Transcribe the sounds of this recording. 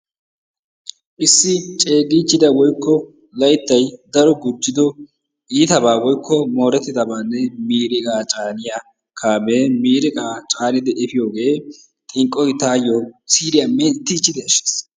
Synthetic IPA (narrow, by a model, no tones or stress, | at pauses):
ʔɪsːɪt͡ʃʼe̞ːɡɪt͡ʃːɪd̪ɐwɔjkːɔ | lɐjt̪ːɐjd̪ɐɾɔɡʊd͡ʒːɪd̪ɔ | iːt̪ɐbaːwɔjkːɔmo̞ːɾɛt̪ːɪd̪ɐbaːnːɛmiːɾɪkʼaːt͡ʃʼaːnɪja | kʰaːmeːmiːɾɪkʼaːt͡ʃʼaːnɪd̪ɛʔɛfɪjo̞ːɡe̞ː | t̪ʼɪŋkʼːɔjt̪aːjoːsiːɾɪjamɛt̪ːɪt͡ʃːɪd̪ɛɐʃːe̥ːs